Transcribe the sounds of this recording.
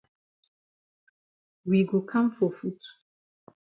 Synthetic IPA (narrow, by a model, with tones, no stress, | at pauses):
wi˨ɡo˨kʰã˦mfɔ˨fu˦t